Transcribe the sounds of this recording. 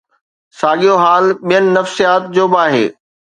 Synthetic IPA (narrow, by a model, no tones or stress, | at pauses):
saːɠijoɦaːlɓijənɪ̆nɐfsijaːt̪̚d͡ʑoːbɪaːɦḛː